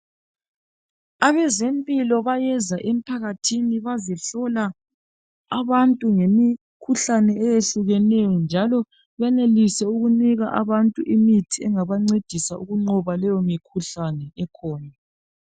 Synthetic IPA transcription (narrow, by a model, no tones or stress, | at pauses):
aβɛzempʼilɔβajɛzaʔem̩pʰaɣatʰiniβazɛɬɔla | aβantʼuŋemi | kʰuɬanɛːjeɬuɣɛnɛjɔnd͡ʒʱalɔ | βɛnelisɛuɣuniɣaʔa̰βantʼuʔimitʰiɛŋaβaŋ͡ǀed̥ʱisauɣuŋ͡ǃɔβalɛjɔmikʰuɬanɛɛkʰɔːna